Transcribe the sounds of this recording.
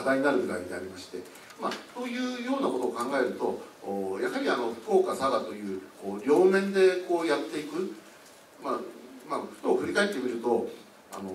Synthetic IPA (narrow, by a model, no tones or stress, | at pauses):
ad̪aiɲinaɾɯ̟ɡɯ̟ɾa̰iɲea̰ɾʲimaɕi̥t̪e̞ | maso̞ːjɯ̟ːjo̞ːnako̞t̪o̞ːkãŋɡae̞ɾɯ̟t̪o̞ːjaɦaɾʲiano̞ɸɯ̟̥ko̞ːkasaɡat̪o̞jɯ̟ːko̞ːɾʲo̞ːmẽ̞nd̪e̞ko̞ːjat̪ːe̞ikɯ̟ | mamaɸɯ̟̥t̪o̞ːɸɯ̟ɾʲikae̞t̪ːe̞mʲiɾɯ̟t̪o̞ | a̰no̞